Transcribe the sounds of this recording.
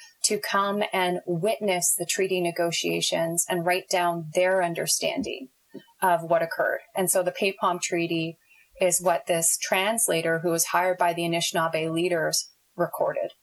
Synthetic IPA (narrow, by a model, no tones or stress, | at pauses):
tʰɨkʰʌ̃mɨ̃nwɪtⁿnɨsðɨtʰɹ̥iɾinɨɡoʊʃieɪʃɨ̃nzɨ̃nɹaɪt̚d̥ãʊ̃nðə˞ʌ̃ndə̰˞stæ̰̃ndɪ̰̃ŋ | ʔʌvwʌɾɨkʰɜ̰˞ɾɨ̃nsoʊðɨpʰeɪpʰɑ̃mtʰɹ̥iɾi | ɪzwʌt̪̚ðɪstʰɹ̥æ̃nsleɪɾə˞ɦuwʌz̥haɪə˞d̚baɪðiɨnɪʃnlˠbeɪliɾə˞z̥ | ɹɨkʰɔ̰ɹɾɪ̰d̥